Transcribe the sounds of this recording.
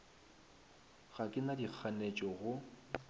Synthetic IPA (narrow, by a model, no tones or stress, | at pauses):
ɣakʼɪnadik͡xʰanet͡ʃʼɔɣʊ